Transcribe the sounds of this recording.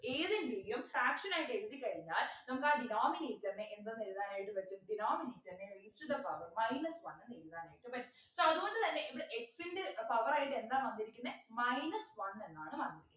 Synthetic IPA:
eːðɨnʋiɾijumfraːkʂɐnaːjiʈːɨe̞ɻuðikːɐɻiɲːaːlnɐmɐkːɨaːɖinaːmineːtːɐnːeʔend̪ɐniluðaːnaːjiʈːɨʋɐtːɐɖinaːmineːtːɐnːeriːsʈud̪ɐpɐʋɐrmɐjnɐsʋɐnːnilðaːnaːjiʈːɨpɐʈːum | soːɐðuɣo̞ɳɖɨt̪ɐnːeʔiʋiɽeʔeksind̪ɨpɐʋɐraːjiʈːɨe̞nd̪aːmʋɐnd̪iɾikʲːunːemɐjnɐsʋɐnːenːaːɳɨʋɐnd̪iɾikʲːunɐ

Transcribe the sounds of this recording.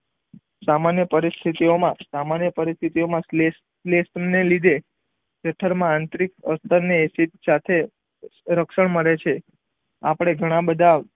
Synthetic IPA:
samanjəpəɾist̪ʰit̪iomãsamanjəpəɾist̪ʰit̪iomãsle | lesnelid̪ʱe | ʃeʈʰəɾmããnt̪ɾikəst̪əɾneesit̪̚sat̪ʰe | ɾəkʃəɳməɽet͡ʃʰe | apəɽ̃eɡʱəɽ̃ãbəd̪ʱa

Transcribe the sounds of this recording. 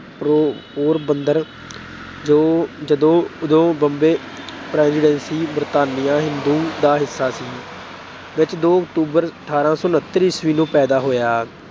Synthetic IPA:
popoːɾbənd̪əɾ | d͡ʒoːd͡ʒəd̪õːʊd̪õːbəmbeː | pɾɛ̃ːnzɪɖɛ̃ːnsiːbəɾt̪aːnɪjãːɦɪnd̪uːd̪aːɦɪsːaːsiː | ʋɪt͡ʃd̪oːəkʈ̪uːbəɾʈʰaːɾãːsɔːnət̪ːɾiːsʋiːnũːpɛːd̪aːɦoːjaː

